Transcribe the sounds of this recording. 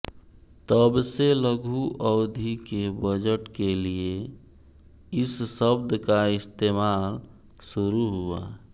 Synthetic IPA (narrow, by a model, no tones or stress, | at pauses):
t̪əbseləɡʱuʔəʊd̪ʱikebəd͡ʒəʈkelie | ɪsːəb̚d̪kaɪst̪eːmaːl | suɾuɦua